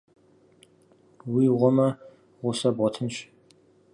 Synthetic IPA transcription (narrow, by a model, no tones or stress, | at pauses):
wiːʁʷɔmɐ | ʁʷʊsɐbʁɔtʰɨnɕ